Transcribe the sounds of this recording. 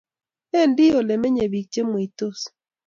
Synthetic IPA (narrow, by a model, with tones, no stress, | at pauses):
ɛ˦˨ndɪ˦o˨le˨me˦ɲe˨bi˨k̚t͡ʃe˦mo˨i˨to˦˨s